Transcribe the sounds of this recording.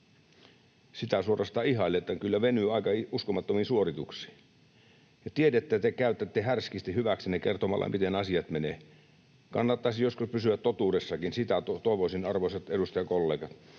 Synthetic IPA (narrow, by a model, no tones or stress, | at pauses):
sit̪æsuorɑst̪ɑːiɦɑilːeet̪ːækylːæʋenyːɑikɑiuskomɑt̪ːominsuorit̪uksi̥ː | jɑt̪iedet̪ːæt̪ekæyt̪ːæt̪ːehærskist̪ihyʋæksinekert̪omɑ̰lʔɑ̰mit̪enɑsiɑt̪meneː | kɑnːɑt̪ːɑisjoskuspysyæt̪t̪ot̪uːdesːɑkinsit̪æt̪ot̪oˑeʋosinɑrʋoiset̪edust̪ɑjɑkolːeːɡɑt̪